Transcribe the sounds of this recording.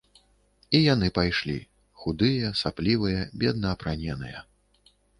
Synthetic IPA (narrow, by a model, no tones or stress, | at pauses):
ijan̪ɨpajʂlʲḭ | xud̪ɨjɐsaplʲivɨjɐbʲɛd̪nɐːpɾanʲɛnɨ̰jɐ̰